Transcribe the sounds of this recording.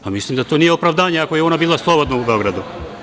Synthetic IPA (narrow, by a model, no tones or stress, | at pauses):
pamislˠimd̪at̪o̞ːnijeopɾavd̪aːɲeakoje̞o̞nabiːlˠaslˠo̞bo̞d̪naube̞o̞ɡɾad̪u